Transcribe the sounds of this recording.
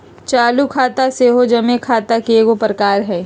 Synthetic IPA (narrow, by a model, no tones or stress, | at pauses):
t͡ʃaːlukʰaːt̪aseːɦod͡ʒɐmekʰaːt̪akeːɡopɾəkaːɾɦɛː